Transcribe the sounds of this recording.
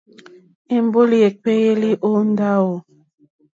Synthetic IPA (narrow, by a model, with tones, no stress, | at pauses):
e˨m˦bo˦li˨e˨k͡pe˦je˦li˦ʔo˦n˦da˦wo˨